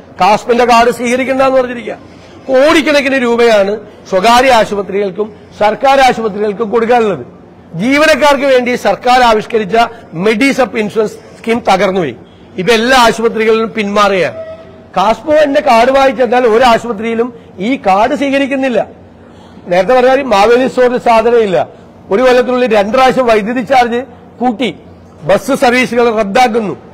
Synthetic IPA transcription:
kaːspinde̞kaːɽɨsiːkɐɾikʲːunːɐðenːɨpɐrɐɲːiɾikʲːɐ | koːɽikʲːunɐk̬ʲːinuɾuːbɐjaːɳɨ | swɐɡaːɾiaːɕubɐt̪riɣɐɭkum | sɐrkaːɾaːɕubɐt̪̬riɣɐɭkumko̞ɽuk̬ːaːɭuɭːɐðɨ | d͡ʑiːʋɐnɐk̬ːaːrk̬ɨʋe̞ːɳɖisɐrkaːɾaːʋiɕɐkɐɾit͡ɕːɐme̞ɖisɐpːinsurɐns | skimt̪ɐɣɐrnːuʋḭ | ip̬ːoelːaːaːɕupɐt̪̬riɣɐɭilumpinmaːreja̰ːɳɨ | kaːspɐʋɐnde̞kaːɽuʋaːjit͡ɕːenːaːlo̞ɾuaːɕupɐt̪rijilum | iːkaːɽɨsʋiːkɐɾikʲːunːilːɐ | ne̞ːɾɐt̪ːepɐrɐaːɾimaːʋelisoːrðɨsaːd̪ʱɐnɐmilːɐ̰ | o̞ɾukolːɐt̪̬ːiluɭːiɾe̞ɳɖraːɕɐmʋɐjd̪ʱjɐðit͡ɕːaːrt͡ɕːɨ | kuːʈːi | bɐsɨsɐrʋiːsuɣɐɭre̞d̪ːaːk̬ːunːu

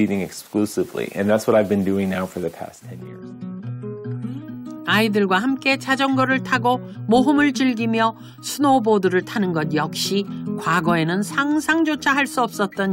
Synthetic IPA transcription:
iɾɪ̃ŋɨksklusɨvlḭʔɨ̰̃nðætswʌɾaɪvbɨ̃ndʉɪ̃ŋnaʊfə˞ðɨpʰæ̰stʰɛ̃njɪ̰ɹz̥ | aidɯɭɡwahamk͈e̞t͡ɕad͡ʑʌŋɡʌɾɯɭtʰaɡomoɦɯmɯɭt͡ɕɯɭɡimjʌ | sʰunoboduɾɯɭtʰanɯnɡʌn̚jʌk̚ɕ͈ikwaɡʌe̞nɯnsʰaŋsʰaŋd͡ʑot͡ɕʰaɦaɭs͈uʌp̚s͈ʌt̚t͈ʌɲ

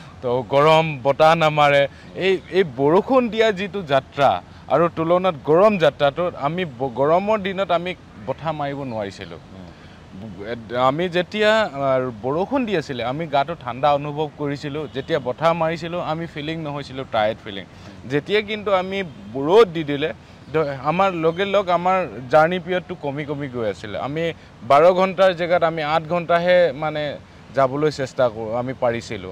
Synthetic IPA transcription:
tɔɡɔɹɔmbɔtanamaɹɛ | ejejbɔɹokʰundijazitʊzatɹa̰ | a̰ɹutulɔnatɡɔɹɔmzatɹatʊamibɡɔɹɔmɔɹdinɔtami | bɔtʰamaɹibɔnʊwaɹisilʊ̰̃ | amizetijabɔɹokʰɔndiasilɛamiɡatʊtʰandaɔnubʱɔb̚koɹisilʊ̃zetijabɔtʰamaɹisilʊ̃amipʰiliŋnɔɦojsilʊ̃tajtpʰilḭŋ | zetijak̬intuamibɔɹot̚didilɛ | damaɹloɡɛlɔkamaɹzaɹnipɹijɔtːʊkomikomiɡojasilɛ̰a̰mi | baɹɔɡʱɔntaɹzɛɡatamiãt̚ɡʱɔntaɦɛmanɛ | zabɔlojsɛstakoʊamipaɹisilʊ̰̃

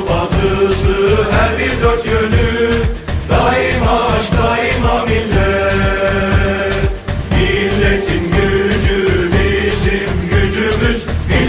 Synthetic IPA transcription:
bat̪ʰɯsɯɦæɾbiɾd̪øɾt̪jøny | d̪ajɯmaʃd̪ajimamilʲːɛ | t̪ | milʲːet̪ʰimɟyd͡ʒymiʃimɟyd͡ʒymyʃmi

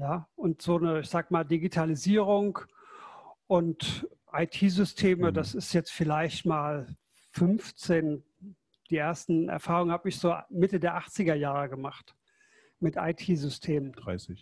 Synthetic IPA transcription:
jaːʔʊntz̥oːnəɪçz̥aːɡəmaːldiɡitʰaliziːʁ̞ʊŋ | ʔʊnt | ʔaɪtʰiːzʏstʰeːməd̥asɪstjɛt͡stfɪlaɪçtmaːl | fʏnft͡seːn | d̥iːʔeːɐstn̩ɛ̰ɐfaːʁʊŋənhaːbəɪçz̥oːmɪtədeːɐʔaχt͡sɪɡɐjaːʁəɡəmaχt | mɪta̰ɪtʰiːzʏstʰeːmənd̥ʁaɪsɪç

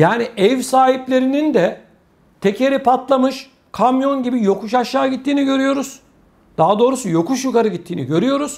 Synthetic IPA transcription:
jaːniʔɛvsaːɦiplʲe̞ɾinind̪ɛ | t̪ʰe̞cʰe̞ɾipat̪lˠamɯʃ | kʰamjo̞nɟibijo̞kuʃaʃːaːɟit̪ʰːiːniɟø̞ɾyjo̞ɾuz̥ | d̪̥aɦad̪o̞ːɾusujo̞kuʃjukaɾɯɟit̪ʰːiːnḭɟø̞ɾyjo̞ɾuz̥

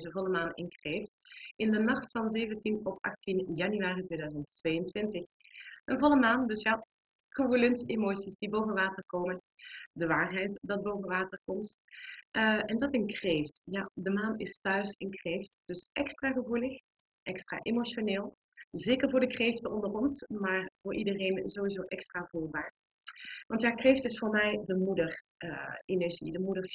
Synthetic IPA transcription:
zənvɔlˠəmaːnɪ̰nkreːftɪndənɑχtfɑnzejvəntinɔpʔɑ̰xtinjɑnyaːritʋeːdœɥzənttʋejəntʋɪntəx | ənvɔlˠəmaːndɵsja | kɔrulɛnsemoːsisdibowvənʋaːtərkoːmən | dəʋaːrɦɛjtdɑd̚boːwvənʋaːtərkɔmt | ʔɛndɑtɪnkrejftjadəmaːnɪstœɥsɪnkrejftd̥ɵsʔɛkstraːɣəvuləx | ʔɛkstra̰ːʔemoʃoneːlˠ | zeːkəɹvʊːɹdəkrejftəɔndərɔnsmaːɹv̥ʊːɹʔidərejnzoːwizowʔɛkstraːvuːlbaːɹ | ʋɑntjaːkreːftɪsfʊːɹmɛjdəmudər | enɛɹʒḭdəmudəɹ

